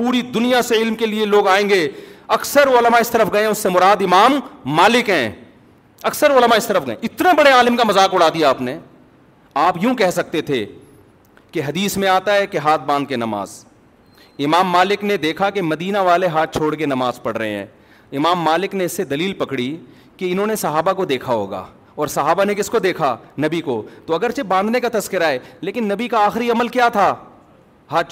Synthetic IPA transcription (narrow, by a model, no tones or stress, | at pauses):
puːɾid̪ʊnijaseɪlmkelieloːɡaːẽːŋɡeːɐksəɾʊləmaɪst̪ɐɾəfɡɐẽɦɛ̃ʊsːemʊɾaːd̪ɪmaːmːaːlɪkɦɛ̃ː | ɐksəɾʊləmaɪst̪ɐɾəfɡɐḛ̃ɪt̪nebɐɽeaːlɪmkamɐzaːkʊɽ̤aːd̪ijaaːpne | aːpjũkɛɦsɐk̚t̪et̪ʰe | keɦɐd̪iːsmẽaːt̪aɦɛkeɦaːt̪̚ʰbãːnd̪̚kenɐma̰ːz | ɪmaːmːaːlɪkned̪eːkʰakemɐd̪iːnaʋaːleɦaːt̪̚ʰt͡ʃʰoːɽkenɐmaːzpɐɽɾəɐɦḛ̃ɦɛ̰̃ː | ɪmaːmːaːlɪkneɪsːed̪ɐliːlpɐkɽi | keɪnɦõnesɐɦaːbakod̪eːkʰaɦo̰ːɡa̰ː | ɔːɾsɐɦaːbanekɪskod̪eːkʰanɐbikot̪oɐɡəɾt͡ʃebãːnd̪nekat̪ɐskɪɾaɦɛːleːkɪnːɐbikaaːxɾiɐməlkjaːt̪ʰa | ɦaːt̪